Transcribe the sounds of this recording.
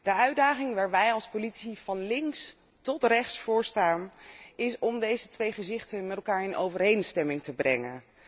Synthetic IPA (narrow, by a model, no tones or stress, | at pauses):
d̥əœɥdaːχɪŋʋaːɹʋɛjɑlˠspolitsiv̥ɑnlɪŋs | tɔtrɛχtsfʊːɹstaːnɪsɔmdejzətʋejχəzɪχtənmɛtɛlˠkaːɹɪnʔo̰wvəɹejnstɛmɪŋtəbrɛ̰ŋə̰n